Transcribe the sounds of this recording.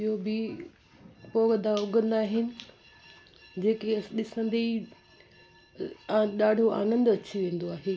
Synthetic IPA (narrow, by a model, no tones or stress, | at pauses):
ɪɦobɪ | koːɡɐd̪ʱaʊɡə̃nd̪aːɦɪnɪ̆ | d͡ʑeːkeɗɪsə̃nd̪i | ɗaːɖʱoa̰ːnə̃nd̪ɐt͡ɕiʋẽːn̆d̪oaːɦeː